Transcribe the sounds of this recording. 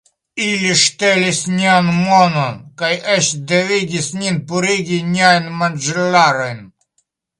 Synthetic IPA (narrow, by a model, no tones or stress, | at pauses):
ilʲiʃt̪ɛlʲisʲnʲanmɔnɔnkajɛʃd̪ɛviɡʲisnʲinpuɾiɡʲiɲʲajnmand͡ʒɛlaɾəjn